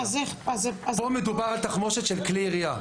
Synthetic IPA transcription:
azeχazeazpomed̪ubaʁalt̪aχmo̞ʃet̪ʃelkliʁia

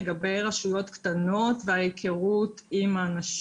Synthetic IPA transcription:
ɡabe̞jʁaʃujo̞tktano̞tveajekʰeʁutimaːnaʃ

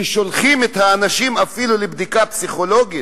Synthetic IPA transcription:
ʃolχimet̪haːnaʃimafilulebd̪ikapsiχo̞lo̞ɡit

